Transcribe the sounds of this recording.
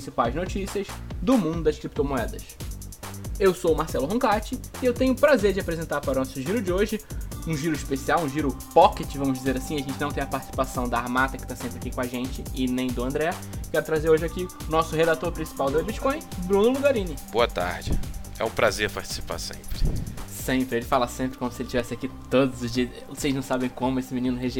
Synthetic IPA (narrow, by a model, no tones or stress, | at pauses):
sipajznot͡ʃisiɐzd̪ʊmũnd̪ʊd̪ɐʃkɾip̚t̪omoɛd̪ɐs | ewsowmaɾsɛlʊɦõkat͡ʃɪɪewt̪ẽɲʊpɾazeɾd͡ʒɪapɾezẽnt̪aɾpaɾʊnɔsʊʒiɾʊd͡ʒɪoʒɪũʒiɾʊiʃpesiawũʒiɾʊpɔkɪt͡ʃɪvɐ̃mʊʒd͡ʒizeɾasĩɐʒẽnt͡ʃɪnɐ̃t̪ẽɐpaɾt͡ʃɪ̥si̥pasɐ̃w̃d̪ɐaaɾmat̪ɐkɪ̥t̪asẽmpɾɪakikõaʒẽnt͡ʃɪɪnẽj̃d̪ʊɐ̃nd̪ɾɛ | kɛɾʊt̪ɾazeɾoʒɪaki | ʊnɔsʊhed̪at̪oɾpɾĩsi̥pawd̪ɐebit͡ʃkõj̃bɾũnʊluɡaɾĩnɪboɐt̪a̰ɾd͡ʒɪ̰ɛ̰ũpɾazeɾpaɾt͡ʃɪ̥si̥pa̰sḛ̃mpɾɪsẽpɾɪelɪfalɐsẽmpɾɪkõmʊsɪelɪt͡ʃivɛsɪakit̪od̪ʊzʊzd͡ʒi | osejznɐ̃w̃sabẽj̃kõmʊesɪminĩnʊɦeʒe